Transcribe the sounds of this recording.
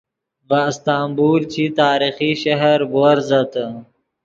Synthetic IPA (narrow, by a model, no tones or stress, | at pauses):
bast̪aːmbuːɾt͡ɕʰit̪aːɾixiʃɐɦɐɾboɾzɐt̪